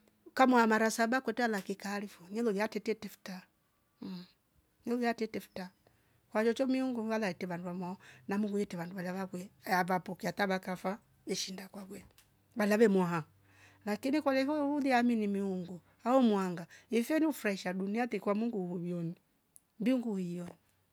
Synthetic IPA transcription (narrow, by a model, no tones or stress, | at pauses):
kamwahamaɾasabakwɛtɛalakikaːlifɔɲɛlɔjiatɛtɛtɛfu̥ta | ɲɛlɔjatɛtɛfu̥ta | kwat͡ʃɔt͡ʃɔmiuŋɡuwalaitɛβanduβamwaɔnamuŋɡujɛtɛβanduβalaβakwɛjavapɔkiataβakafa | ɛʃindakwakwɛ | βalaβɛmwaɦa | lakinikalɛfɔuðiaminimiuŋɡu | aɔmwaŋɡaifɛniufuɾaiʃaduniatɛkwamuŋɡuhujɔni | mbiuŋɡuhijɔni